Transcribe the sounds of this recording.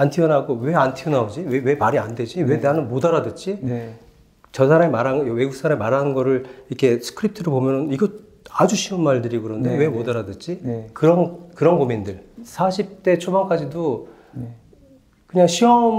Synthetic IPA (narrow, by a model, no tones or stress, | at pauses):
antʰiʌnaɡowe̞antʰiʌnaod͡ʑiwewe̞maɾiande̞d͡ʑiwe̞deanɯnmodaɾadɯt͡ɕ͈i | t͡ɕʌsʰaɾamemaɾɦawe̞ɡuk̚s͈ʰaɾamimaɾɦanɯnɡʌɾɯɭiɾʌkʰe̞sʰɯ̥kʰɯɾip̚tʰɯɾoɭpomjʌnɯniɡʌ | ad͡ʑuɕʰiɯnmaɭdɯɾikɯɾʌndewe̞modaɾadɯt͡ɕ͈ikɯɾʌnkɯɾʌnɡomindɯɭsʰaɕʰip̚t͈e̞t͡ɕʰobaŋk͈ad͡ʑido | kɯɲaŋɕʰiʌm